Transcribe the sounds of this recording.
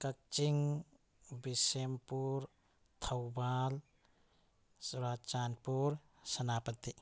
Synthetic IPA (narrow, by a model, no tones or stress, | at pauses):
kɐk̚t͡ʃiŋ | bisempuɾ | t̪ʰɐwbal | suɾat͡ʃanpuɾ | sɐnapɐt̪ːi